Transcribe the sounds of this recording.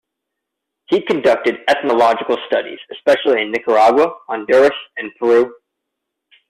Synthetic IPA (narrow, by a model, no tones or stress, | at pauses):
hikɨ̃ndʌk̚tɨɾɛθnəlɑd͡ʒɨkl̩ˠstʌɾḭz̥ɨspɛʃl̩ˠiɨ̃nːɪkə˞ɑɡwəə̃ndəɹɨsɨ̃npʰə˞ʉ